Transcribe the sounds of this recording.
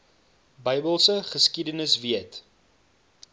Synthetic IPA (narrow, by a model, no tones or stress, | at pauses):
bəjbəlˠsəχəskidənəsviət